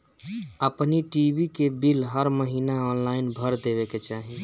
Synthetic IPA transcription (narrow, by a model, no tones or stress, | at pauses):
əpniʈibikebilɦəɾməɦiːnaɔnlaɪinbʱəɾd̪ebeket͡ʃaɦi